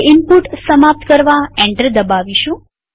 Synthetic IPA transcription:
ɪmpuʈsəmap̚t̪kəɾʋaɛ̃ɳʈəɾd̪əbaʋiʃũ

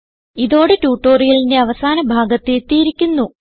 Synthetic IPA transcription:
iðo̞ːɽetuːʈːo̞ːrijɐlinde̞ɐʋɐsaːnɐbʱaːɡɐt̪ːet̪ːijiɾikʲːunːu

